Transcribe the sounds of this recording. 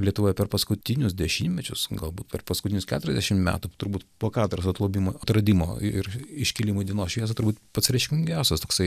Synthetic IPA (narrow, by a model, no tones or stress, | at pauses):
lʲiɛt̪ʊʋoːjɛpʲɛrpɐskʊt̪ʲɪnʲʊsd̪ʲɛʃʲimʲmʲɛt͡ʃʲʊsɡɐlˠbuːt̪pʲɛrpɐskʊt̪ʲɪnʲʊskʲæ̰ːt̪ʊɾʲɛzʲd̪ʲæʃʲɪmmʲæ̰ːt̪ʊt̪ʊɾbuːt̪poːkɑːt̪ʊɾɐsɐt̪lˠɐʊbʲimoɐt̪ɾɐd̪ʲimo̰ːɪɾɪʃʲkʲɪlʲɪmoɪd̪ʲiɛnoːsʃʲʋʲiɛs̬ɐt̪ʊɾbuːt̪pɐtsʲɾʲɛɪʃʲkʲɪmɪŋʲɡʲæˑʊsʲɛst̪oːksɐɪ